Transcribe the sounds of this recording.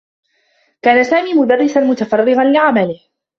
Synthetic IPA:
kaːnasaːmiːmʊd̪arːɪsanmʊt̪afɑrːɪɣanlɪʕamalɪh

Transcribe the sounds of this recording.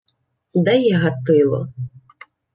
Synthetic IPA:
d̪ɛjɛɦɐt̪ɪlˠɔ̰

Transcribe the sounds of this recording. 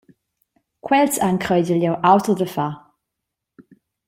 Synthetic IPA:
kʰwɛltʰankʰrɔjdɪljɔwʔawtʰɔðɾəfa

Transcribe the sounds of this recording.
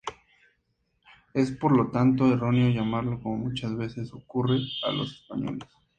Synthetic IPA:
e̞spo̞ɾlo̞t̪ant̪o̞ero̞neo̞ʝamaɾlo̞komo̞mut͡ʃazβe̞se̞so̞kure̞a̰lo̞̰se̥spaɲo̞̰les

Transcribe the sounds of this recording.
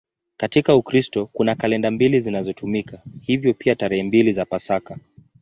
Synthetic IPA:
katikaukɾistɔkunakalɛndambilizinazɔtʰumikahivjɔpiataɾɛhɛmbilizapasaka

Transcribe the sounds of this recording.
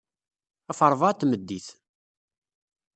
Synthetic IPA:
æfəɾˤvɑt̪ːməd̪ːiθ

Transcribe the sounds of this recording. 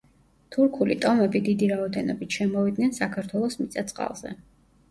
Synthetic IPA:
t̪ʰuɾkʰulit̪ʼɔmɛbid̪id̪iɾaɔd̪ɛnɔbit̪ʰʃɛmɔvid̪nɛnsakʰaɾt̪ʰwɛlˠɔsmit̪sʼat̪sʼqʼa̰lˠz̥ɛ̰

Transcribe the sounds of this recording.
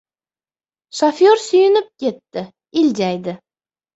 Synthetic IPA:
ʃafjoɾsʊjɪnɪp̚kʲʰe̞t̪ːɪ | ɪlʲd͡ʒajd̪ɪ

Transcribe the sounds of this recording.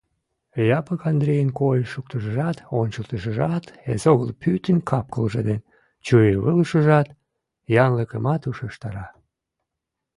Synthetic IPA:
jɑpəkɑnd̪ɾejənkojʃukt̪əʃəʒɑt̪onʲt͡ɕəlt̪əʃəʒɑt̪ḛzoɣəlpʰyt̪ənkʰɑp̚kəlʒed̪en | t͡ɕujeβəlʃəʒɑt̪ | jɑnləkəmɑt̪uʃəʃt̪ɑɾɑ

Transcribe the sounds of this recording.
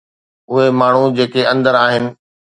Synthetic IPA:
ʊɦemaːɳ̤ud͡ʑeːkeɐ̃nd̪əɾaːɦɪnɪ̆

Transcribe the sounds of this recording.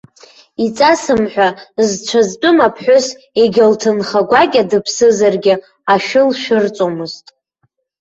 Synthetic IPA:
it͡sʼasɨmħʷᶣazt͡ʃʷʰazt͡pʼʊmapʰħʷᶣʊs | eɡʲɪltʰɨnχaɡʷaɡʲadɨpʰsɨzarɡʲɪ | aʃʊlʃᶣɨrt͡sʷʼomɨztʼ

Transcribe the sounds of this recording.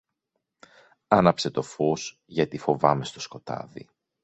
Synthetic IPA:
ɐnɐpse̞t̪o̞fos | ʝɐt̪ifo̞vɐme̞st̪o̞sko̞t̪ɐ̰ðḭ

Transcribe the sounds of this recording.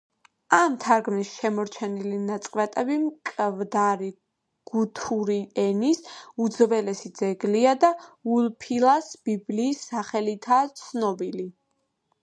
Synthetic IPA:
amt̪ʰaɾɡmnisʃɛmɔɾt͡ʃʰɛnilinat̪sʼqʼvɛt̪ʼɛbimkʼvd̪aɾi | ɡ̥ut̪ʰuɾiɛnisud̪zvɛlɛsid̪zɛɡliad̪aulpʰilˠasb̥ibliːsːaχɛlit̪ʰaːt̪sʰnɔbili

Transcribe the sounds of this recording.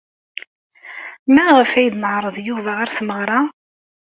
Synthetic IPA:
mæʁəfæjd̪nəʕɾˤəðˤjuvæʁaɾθməʁɾˤɑ

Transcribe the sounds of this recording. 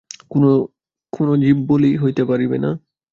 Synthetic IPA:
kono | konod͡ʑibːoliɦojt̪epaɾibḛna

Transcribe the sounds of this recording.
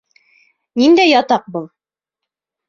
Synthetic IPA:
nind̪æjɑt̪ɑq̚bɤlˠ

